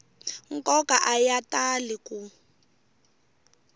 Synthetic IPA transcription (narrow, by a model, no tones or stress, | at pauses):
ŋ̩kʼɔkaʔajataliku